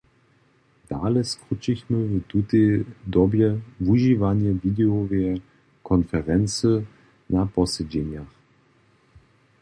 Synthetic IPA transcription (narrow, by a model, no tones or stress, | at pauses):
d̥aːləskʁʊt͡ʃɪçməvətutedɔbjəvuʒivanjəviːdeoveːɐ | kʰɔnfɛʁɛnt͡sə | nab̥ɔsəd͡ʒenjaχ